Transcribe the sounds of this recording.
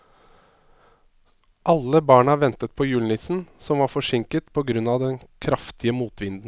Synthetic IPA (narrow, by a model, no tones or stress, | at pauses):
ʔɑlːəbɑːɳɑʋɛnt̪ət̪̚pʰɔːjʉːlnɪt̪sn̩sɔmʋɑɾfɔʂɪŋkət̪pʰɔɡɾʉnɑd̪ɛnkʰɾɑft̪ʰɪəmuːt̪ʋɪnd̪n̩